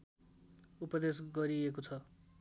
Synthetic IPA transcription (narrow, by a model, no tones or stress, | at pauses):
upʌd̪esɡʌɾiekot͡sʰʌ